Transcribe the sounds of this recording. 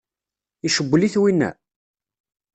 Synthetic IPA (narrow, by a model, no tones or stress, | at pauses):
iʃəbʷːliθwinːæ̰